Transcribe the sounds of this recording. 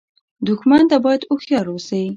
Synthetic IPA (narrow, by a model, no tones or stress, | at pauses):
d̪ʊxmant̪abɑjad̪ʊxjɑɾosawi